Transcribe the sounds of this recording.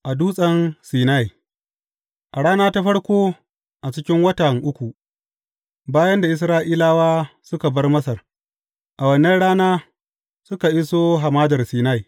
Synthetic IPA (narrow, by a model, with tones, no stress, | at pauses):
ʔa˨duː˦sʼɐ˦nsiː˨na˦ji˨ | ʔa˨ɽaː˦naː˦ta˦ɸɐ˦ɽkʷoː˦ | ʔa˨t͡ʃɪ˦kʲɪ˦ŋwɐ˦tɐ˨ŋʔʊ˦kʷu˨ | baː˦jɐ˦nda˨ʔɪ˦s̬ɾaː˦ʔiː˦laː˦waː˦sʊ˦ka˨bɐ˦rmɐ˦sɐ˨r | ʔa˨wɐ˨nːɐ˦nɽaː˦naː˦ | sʊ˦ka˨ʔɪ˦soː˦ɦa˨maː˦dɐ˨rsiː˨na˦˨ji˨